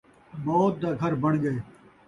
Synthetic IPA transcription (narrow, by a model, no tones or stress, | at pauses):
bɔːt̪̚d̪aːɡʱɐɾbɐɳ̃ɡəeː